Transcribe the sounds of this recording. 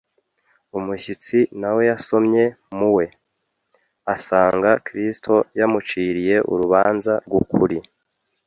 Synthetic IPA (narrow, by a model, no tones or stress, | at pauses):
umuʃit͡sinawe̞jaso̞mɲe̞ | muwe̞ | asaːŋɡakɾistʰo̞jamut͡ʃiːɾije̞ʔṵɾuβaːnzaɾɡukʰuɾi